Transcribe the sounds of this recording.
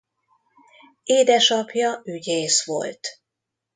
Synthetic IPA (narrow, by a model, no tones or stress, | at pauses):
eːd̪ɛʃɒpjɒyɟeːsʋo̞̰lt̪